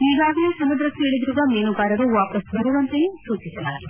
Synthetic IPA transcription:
niːɡaːɡɐnesɐmud̪ɾɐkːueːɭid̪ɾuːɡaːmeːnuɡaːɾɐɾuʋaːpɐsb̪ɐɾuʋɐnt̪ɐjesuːt͡ʃisɐlaːli

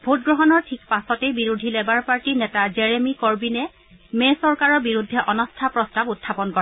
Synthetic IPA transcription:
bʱotɡɹɔɦɔnɔɹtʰikpasɔtebiɹudʱilɛbaɹpaɹtinɛtazɛɹemikɔɹbinɛ | mɛsɔɹkaɹɔɹbiɹudʱːɛʔɔnɔstʰapɹɔstabutʰːapɔnkɔɹɛ

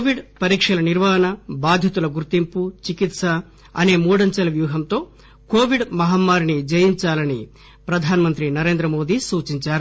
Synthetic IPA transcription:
ʋiɖpɐɾiːkʂɐlɐniɾʋɐːɦɐnɐbaːd̪ʱjɐt̪ulɐɡuɾt̪imput͡ʃikit̪sɐ | ɐne̞ːmuːɽɐɲt͡ʃɐlɐʋjuːɦɐmt̪o̞ː | ko̞ːʋiɖmɐɦɐmːaːɾinid͡ʒɐjiɲt͡ʃaːlɐni | pɾɐd̪ʱaːnɐmɐnt̪ɾinɐɾe̞ːnd̪ɾɐmo̞ːd̪iːsuːt͡ʃiɲt͡ʃaːɾu

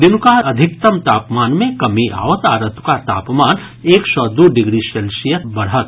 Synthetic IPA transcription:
d̪ɪnkaɐd̪ʱɪk̚t̪ɐmt̪aːpmaːnmẽkɐmiʔa̰ːʋət̪aːɾət̪kat̪a̰ːpmaːn | eːksɔːd̪oːɖɪɡɾiʃeːlʃijət̪bɐɽɦət̪

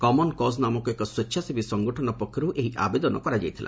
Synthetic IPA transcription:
kɔmɔnkɔsnamɔkuekɔswetːʃʰasibisɔŋɡɔʈʰɔnɔpɔkʰːjɔɾuʔeɦiʔa̰bed̪ɔnɔ̰kɔɾad͡ʒajt̪ʰila̰

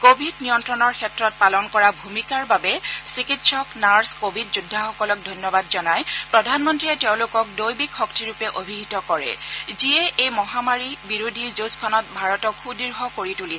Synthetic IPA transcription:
kobʱidnijɔntɹɔnɔɹkʰɛtɹɔt̚palɔnkɔɹabʱumikaɹbabɛsikitsɔknaɹskobʱidzudʱːaxɔkɔlɔk̚dʱɔjnjɔbadzɔnajpɹɔdʱanmɔntɹiɛtɛʊ̃lʊkɔk̚dojbikxɔk̚tiɹupɛʔobʱiɡitɔkɔɹɛ̰ziɛʔejmɔɦamaɹibiɹodʱizoskʰɔnɔt̚bʱaɹɔtɔkʰːudiɹɦɔkoɹituli

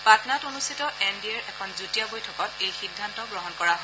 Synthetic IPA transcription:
patnatonustʰitɔʔɛndiɛɹɛkʰɔnzutijabojtʰɔkɔtejxidʱːantɔɡɹɔɦɔnkɔɹaɦɔ

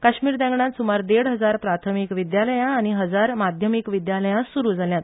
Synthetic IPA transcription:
kaɕmiːɾd̪ɛ̃ŋɡɳat̪sumaɾd̪eɽɦəd͡zaɾpɾat̪ʰəmikʋid̪jaləjãːñiɦəd͡zaɾmad̪ʱjəmikʋid̪jaləjãsuɾuːd͡zaljat̪

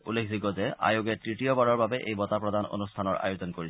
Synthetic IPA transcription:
ulːekʰziɡɔzɛʔa̰joɡɛtɹitiobaɹɔɹbabɛʔejbɔt̪apɹɔd̪ano̰nust̪ʰanɔɹa̰jozɔnkoɹi

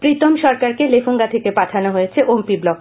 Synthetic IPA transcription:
pɾit̪omʃɔɾkaɾkelefʰoŋɡat̪ʰekepat̪ʰanoɦojet͡ɕʰeʔompiblɔk̚

